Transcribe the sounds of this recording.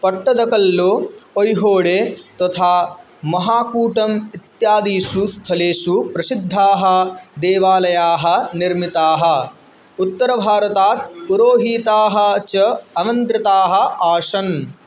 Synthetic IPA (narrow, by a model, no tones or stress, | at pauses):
pɐʈːɐd̪ɐkɐlːoojɦoːɽeːt̪ɐt̪ʰaː | mɐɦaːkuːʈɐmit̪jaːd̪iːʃust̪ʰɐleːʃupɾɐsid̪ʱːaːɦɐ̆d̪ɛːʋaːlɐjaːɦɐ̆niɾmit̪aːɦɐ̆ | ut̪ːɐɾɐbʱaːɾɐt̪aːt̪puɾoːɦiːt̪aːɦɐ̆t͡ʃɐɐʋɐnt̪ɾɪt̪aːɦɐ̆aːʂɐn